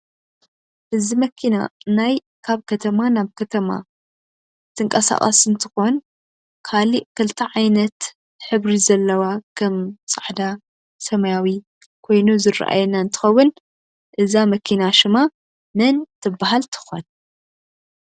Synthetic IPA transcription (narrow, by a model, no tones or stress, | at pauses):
ʔɨzimɐkʰina̰naj | kʰaβkʰɐt̪ʰɐmanaβkʰɐt̪ʰɐma̰ | t̪ʰɨŋkʼɐsa̰χʼɐ̰sɨnt̪ʰɨ̥xo̞n | kʰaliʔkʰɨlt̪ʰɐʕajnɐt̪ | ħɨβɾizɐlːɐwakʰɐmt͡sʼaʕd̪a | sɐmɐjawi | kʰo̞jnuzɨra̰ʔa̰jɛnaɨnt̪ʰɨ̥xɐwːʊn | ʔɨzamɐkʰinaʃɨma | mɨnt̪ʰɨbːaɦalt̪ʰɨ̥xon